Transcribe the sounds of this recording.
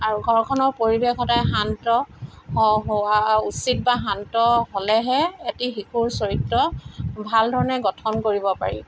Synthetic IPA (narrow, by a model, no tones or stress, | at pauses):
aɹuɡʱɔɹkʰɔnɔɹpoɹibekɔtajɦantɔhɔɦɔwausit̚baɦantɔɦolɛɦɛetixikʰuɹsoɹitːɔbʱaldʱɔɹɔnɛɡɔtʰɔnkoɹibɔpa̰ɹḭ